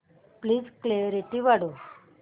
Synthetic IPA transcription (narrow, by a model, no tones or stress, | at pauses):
pliːd͡zkleɾiʈiʋaɽo